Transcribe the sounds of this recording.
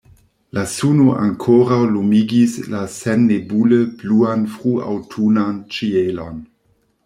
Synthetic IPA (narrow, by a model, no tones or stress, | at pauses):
lasunoʔa̰ŋkʰoɾawlumiɡislasenːebuləb̥luanfʁua̰wtʰunant͡ʃielon